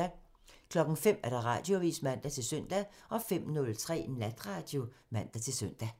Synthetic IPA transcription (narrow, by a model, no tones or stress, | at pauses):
kʰlɒ̽ɡ̥ŋ̩fem̰æɐɾ̥ɑ̈ʁɑ̈ːd̥jo̝ʋḭsmæn̰d̥æt͡sʰe̝lsœn̰d̥æʔɒ̽fem̰nɔ̽lt͡sʰʁɛ̰ːnlæd̥ʁɑ̈d̥jo̝mæn̰d̥æt͡sʰe̝lsøn̰d̥æ